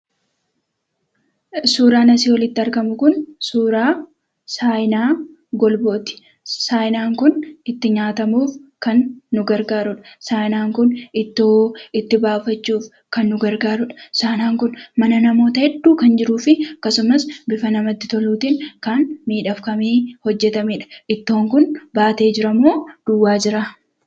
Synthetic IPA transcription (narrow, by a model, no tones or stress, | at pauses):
suːɾaːnɐsiːwɔlɪt̪ːɪɐɾɡɐmʊkʊnsuːɾaː | saːjɪnaː | ɡɔlboːt̪ɪ̥ | saːjnaːŋkʊnɪt̪ːɪɲaːt̪ɐmuːfkɐnːʊɡɐɾɡaːɾʊᶑɐ̥saːjnaːŋkʊnɪt̪ːɪt̪ːɪbaːfɐt͡ʃːuːf | kɐnːʊɡɐɾɡaːɾʊᶑɐ̥saːɪnaːŋkʊnmɐnɐnɐmo̞ːt̪ɐhɛd̪ːuːkɐnd͡ʒɪɾuːfɪɐkːɐsʊmɐsbɪfɐnɐmɐt̪ːɪ̥t̪ɔluːt̪iːŋkɐnmiːᶑɐfkɐmiːhɔd͡ʒːɛt̪ɐmiːᶑɐ̥ʔɪt̪ːo̞ːŋkʊnbaːt̪e̞ːd͡ʒɪɾɐmoːd̪̥ʊwːaːd͡ʒɪɾa